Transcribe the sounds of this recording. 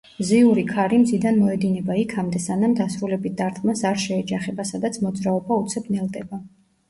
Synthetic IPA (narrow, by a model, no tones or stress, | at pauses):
ziuɾikʰaɾimzid̪anmɔɛd̪inɛbaikʰamd̪ɛsanamd̪asɾulɛbit̪̚d̪aɾt̪ʰmasaɾʃɛːd͡ʒaχɛbasad̪at̪sʰmɔd̪zɾaɔbaut̪sʰɛbnɛlˠd̪ɛba